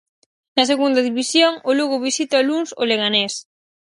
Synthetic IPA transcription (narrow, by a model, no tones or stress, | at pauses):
nɐseɣund̪ɐðiβisjoŋʊluɣʊβisit̪ɐluŋso̰leɣanɛs